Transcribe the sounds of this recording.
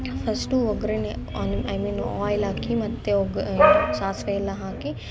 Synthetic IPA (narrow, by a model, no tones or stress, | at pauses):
fɐsʈuʋɐɡɾennajmĩːnɔːjlaːkimɐt̪ːeoɡʃaːsʋelaɦaːki